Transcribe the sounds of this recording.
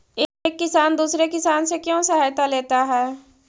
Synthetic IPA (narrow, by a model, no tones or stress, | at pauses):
eːkːɪsaːnd̪uːsɾekɪsaːnsekjõsɐɦaːjt̪aleːt̪aɦɛː